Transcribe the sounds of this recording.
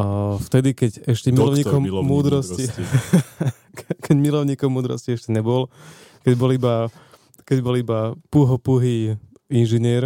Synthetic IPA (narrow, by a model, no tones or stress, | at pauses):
ft̪ɛd̪ikɛɟɛʃcɛmilɔɲɲiːkɔmːuːd̪ɾɔsi | kʰɛɟmilɔʊɲiːkɔmːuːd̪ɾɔ̰sciɛʃcɛɲɛbɔlkɛɟbɔliba | kɛɟbɔlibapuɦɔpuɦiː | inʒiɲɪɛɾ